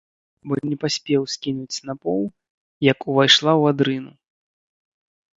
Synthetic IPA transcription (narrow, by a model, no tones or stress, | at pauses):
bɔnʲɛpasʲpʲɛwsʲkʲinut͡sʲnapɔw | jɐkuvajʂlˠawad̪ɾɨnu